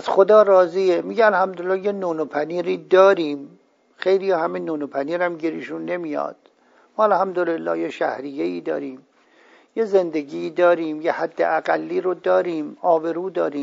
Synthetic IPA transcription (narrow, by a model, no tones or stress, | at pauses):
æzxod̪ɒːrɒːziːemiɟeælhæmd̪oelːɒːjenoːnopʰæniːɾiːd̪ɒːɾiːm | xejlijɒːhæmenuːnopʰæniːɾæmɟiɾiʃunːemijɒ̰ːd̪̥̚ | mɒːælhæmd̪olelːɒ̰ːjeʃæ̰hɾijːeiːd̪ɒ̰ːɾiːm | jezend̪eɡiːd̪ɒːɾiːmjehæd̪ːḛʔæɡælːiːɾod̪ɒːɾiːmɒːbe̞ɾuːd̪ɒːɾiːm